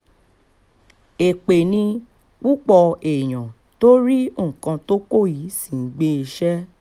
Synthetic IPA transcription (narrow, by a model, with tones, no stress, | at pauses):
e˨k͡pe˨nĩ˧ | k͡pu˦k͡pɔ˧e˨j̃ã˨ | to˦ɾi˦õ˦˨kã˧to˦ko˦˨ji˨˦sĩ˦˨˦ɡ͡be˦e˧ʃɛ˦